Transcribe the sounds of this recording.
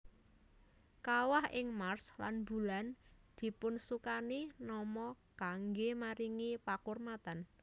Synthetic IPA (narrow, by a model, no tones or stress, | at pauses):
kawahɪŋmarslanbṳland̪̥i̤pʊnsukaninɔmɔɡ̥aŋɡemaɾiŋipakurmat̪an